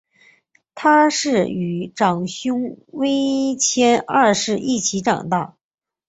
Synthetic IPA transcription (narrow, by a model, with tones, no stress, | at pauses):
t̪ʰa˥ʂɻ̩˥˩y˨˩ʈ͡ʂɑ˨˩ŋɕjʊ˥ŋwe˥ɪt͡ɕʰjɛ˥na˥˧ʂɻ̩˥˧ʔi˥˩t͡ɕʰi˧˥ʈ͡ʂɑ̰˨˩ŋt̪a˥˩ʊ